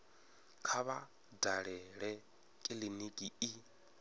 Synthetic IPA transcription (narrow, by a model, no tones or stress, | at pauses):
kʰaβa | daɺɛɺɛ | kʼilinikʼii